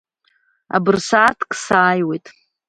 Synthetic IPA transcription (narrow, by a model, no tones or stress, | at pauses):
a̰bɨrsaːtʰkʼʰsaːjwejtʼ